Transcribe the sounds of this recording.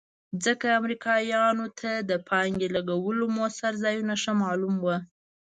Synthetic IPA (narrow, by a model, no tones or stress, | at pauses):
zəkaːmɾikʰɑjɑnot̪ʰad̪əpʰɑŋɡelaɡawəlomosaɾzɑjunaʃamɑlumwa